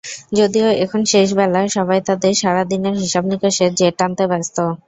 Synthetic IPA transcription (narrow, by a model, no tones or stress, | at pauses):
d͡ʑod̪ioekʰonʃeʃ̬bɛlaeʃɔbajt̪ad̪eɾʃaɾad̪ineɾɦiʃabnikeʃed͡ʑeʈːant̪ebɛst̪o